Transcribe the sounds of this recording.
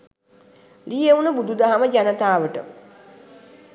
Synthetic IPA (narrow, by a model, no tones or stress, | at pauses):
lijeunəbud̪ud̪aɦaməd͡ʒanət̪aːʋəʈə̰